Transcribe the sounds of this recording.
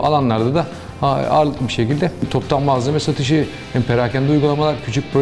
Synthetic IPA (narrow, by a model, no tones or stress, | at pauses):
a̰lˠanlˠaɾd̪ad̪a | aa̰ɾlˠɯkbiʃe̞cilʲd̪ɛt̪ʰo̞pt̪ʰamːazamɛsat̪ʰɯʃ̬ɯ | hanpʰeɾaːcʰænd̪iujɡulˠamalˠaɾcʰyt͡ʃʰyc̚ʲpɾo